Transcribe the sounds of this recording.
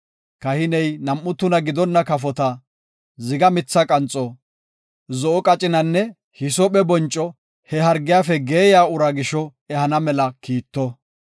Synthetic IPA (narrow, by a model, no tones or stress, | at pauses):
kɐhɪnɛjnɐmʔːʊt̪ːʊnɐɡɪd̪ɔnːɐkɐfɔt̪ɐ | zɪɡɐmɪt͡sːɐkʼɐnt͡sʼɔ | zɔʔɔkʼɐt͡ʃʼɪnɐnːɛ | hɪsɔpɛbɔnt͡ʃʼːɔ | hɛɦɐɾɡɪjaːfɛɡe̞ːjaːʊɾɐɡɪʃɔ | ɛhɐnɐmɛlɐkiːt̪ːɔ